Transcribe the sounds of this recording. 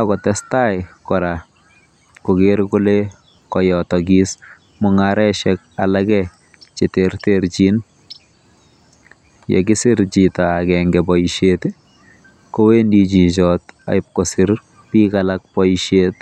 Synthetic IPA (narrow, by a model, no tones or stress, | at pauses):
akɔtɛstajkɔɾa | kokeɾkule | kɔjɔtɔɡis | mʊŋaɾɛʃɛk̚alakɛ | t͡ʃeterteɾt͡ʃin | jḛk̬ɪsɪɾt͡ʃitaːkɛŋɡɛbɔiʃet | kowendit͡ʃit͡ʃɔta̰ip̚kosiɾ | piːkalak̚pɔʃet